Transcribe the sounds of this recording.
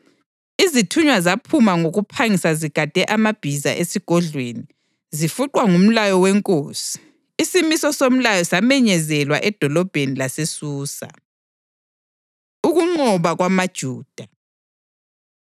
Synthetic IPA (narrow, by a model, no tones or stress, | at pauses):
izitʰuɲwazapʰumaŋoɣupʰaŋisaziɡ̥ʱad̥ʱɛʔamab̥ʱiza̰ʔesiɡ̥ʱɔɮweni | zifuǃwaŋum̩lajɔwɛŋkʼoːsi̥ː | simisɔsom̩lajɔsamɛɲɛzɛlwa̰ʔɛd̥ʱɔlɔb̥ʱenilasesuːsa̰ | uɣuŋ͡ǃɔβaɣwamad̥ʒ̥ʱuːd̥ʱa